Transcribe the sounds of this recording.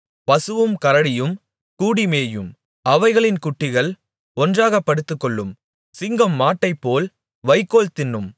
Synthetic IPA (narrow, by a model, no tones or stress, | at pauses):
pɐsɯʋɯmkɐɾɐɽɪjɯm | kuːɽimeːjɯm | ɐʋɐɪɣɐɭɪnkʊʈːɪɣɐɭ | ɔndraːɣɐpːɐɽɯt̪ːɯkːɔɭːɯm | sɪŋɡɐmːaːʈːɐɪpːoːl | ʋɐɪkːoːlt̪ɪnːɯm